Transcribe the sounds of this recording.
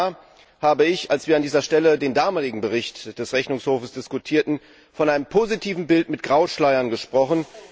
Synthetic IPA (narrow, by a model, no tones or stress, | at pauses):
haːbəɪçalsv̥iːɐandiːzɐʃtɛlədeːndaːmaːlɪɡŋ̩bəʁɪçtd̥ɛsʁɛçnʊŋshoːfəsd̥ɪskʊtʰiːɐtn̩ | fɔnʔaɪnəmpʰozitʰiːvn̩bɪltmɪt̚ɡ̥ʁaʊʃlaɪɐnɡəʃpʁ̥ɔχən̩